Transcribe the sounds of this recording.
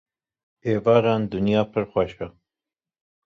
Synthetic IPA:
eːvɑːɾɑːnd̪ʊnjɑːpʰɨɾxʷɛʃɛ

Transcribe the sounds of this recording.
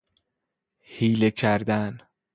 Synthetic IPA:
hiːlecʰæɾd̪æn

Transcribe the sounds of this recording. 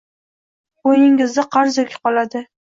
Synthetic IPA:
ojɪŋɪzd̪ɪqʰɑɾzokʲʰqɒlad̪ɪ

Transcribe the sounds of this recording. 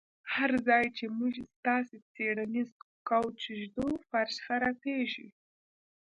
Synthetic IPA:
haɾzɑjt͡ʃemuʒst̪ɑset͡seɽanizkawt͡ʃʒd̪ofaɾʃxaɾɑkeʒḭ

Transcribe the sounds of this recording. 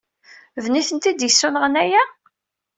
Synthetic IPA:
vniθənt̪id̪jəsːunəʁənæjæ

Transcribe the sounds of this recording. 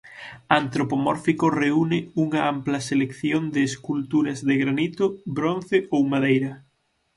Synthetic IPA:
ant̪ɾopomɔɾfikoreunɪuŋɐamplɐselekθjond̪ɪːskult̪uɾɐzðɪɣɾanit̪ʊbɾon̟θɪʔowmaðejɾɐ

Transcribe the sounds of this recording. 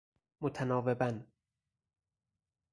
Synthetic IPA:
mot̪ʰænɒːve̞bæn

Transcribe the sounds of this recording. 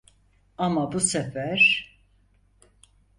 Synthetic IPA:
amabusɛfæɾ̥

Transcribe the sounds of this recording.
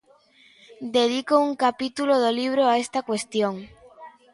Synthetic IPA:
d̪eðikouŋkapit̪uloðoliβ̞ɾoaest̪akwest̪joŋ

